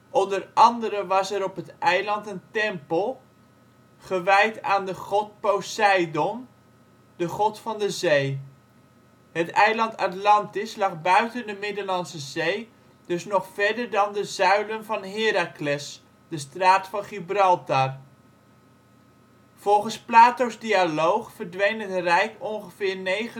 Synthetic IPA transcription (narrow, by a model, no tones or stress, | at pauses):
ʔɔndərɑndəɾəʋɑsɛɾɔpɦətʔɛjlɑntəntɛmpəlˠ | χəʋɛjtaːndəχɔt̚powsɛjdɔn | dəχɔtfɑndəzej | ɦətɛjlɑnta̰tlɑntɪslɑχbœɥtəndəmɪdəɹlɑnsəzej | d̥ɵsnɔχfɛɹdəɹdɑndəzœɥlənvɑnɦɪːɾaklɛs | d̥əstraːtfɑnχibrɑlˠtar | v̥ɔlˠχənsplaːtowzdialowχfəɹdʋejnɦətrɛjkɔnχəvɪːɹnejχə